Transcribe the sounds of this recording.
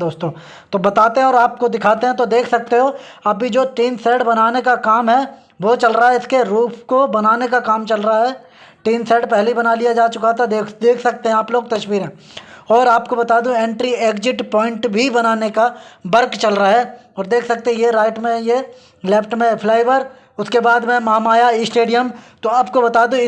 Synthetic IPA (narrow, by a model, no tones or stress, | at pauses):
d̪oːst̪õː | t̪obɐt̪aːt̪eɦɛ̃ɔːɾaːp̚kod̪ɪkʰaːt̪eɦɛ̃t̪od̪eːkʰsɐk̚t̪eɦo | ɐbid͡ʒoːʈiːnsɛːɖbɐnaːnekakaːmɦɛ | ʋot͡ʃɐlɾaaɦɛɪskeɾuːpʰkobɐnaːnekakaːmt͡ʃɐlɾɐaɦɛː | ʈiːnsɛːɖpɛɦleibɐnalijad͡ʒaːt͡ʃʊkat̪ʰakd̪eːkʰsɐk̚t̪ẽɦɛ̃aːploːɡ̚t̪ɐʃwiːɾɦɛ̃ː | ɔːɾaːpkobɐt̪aːd̪ũẽːɳʈɾieːkd͡ʒɪʈpɔːɪ̃ɳʈbʱibɐnaːnekabɐɾkt͡ʃɐlɾəɦaɦɛːɔːɾd̪eːkʰsɐk̚t̪eɦɛ̃jeɾaːɪʈmẽje | lɛpʰʈmẽpʰlaːɪʋəɾ | ʊskebaːd̪mɛ̃maːmaːjaisʈeːɖijəmt̪oaːpkobɐt̪aːd̪ũ